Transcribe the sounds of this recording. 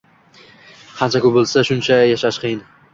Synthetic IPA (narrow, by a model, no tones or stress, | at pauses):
hʰant͡ʃʰakʲʊbolˠsaʃʊnt͡ʃʰajaʃaʃqʰɨjɪn